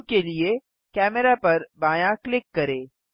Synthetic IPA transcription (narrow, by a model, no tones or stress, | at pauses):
kelie | kɛːmɛɾapɐɾbaːjãklɪkːɐɾẽː